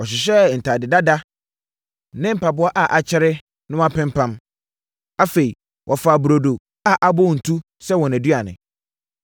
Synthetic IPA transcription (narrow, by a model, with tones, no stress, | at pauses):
ɔ˨ɕɪ˨ɕ̬ɛ˦n̩˨tʰa˨dɪ˨da˦da˦ | nɪ̃˦m̩˦˨pa˨bʊ˦a˦ʔa˨ʔa˨t͡ɕʰɪ˦ɾɪ˦ | nʊ̃˦wa˦pɪ̃˦m˦pʰã˦m | a˦fe˨i˨ | wʔɔ˨fa˨bu˨ɾo˨do˨ | a˨ʔa˨bɔ˦˨n̩˨tʰu˦ | sɛ˦wɔ̃˨næ˨dɥa˨nɪ̰̃˨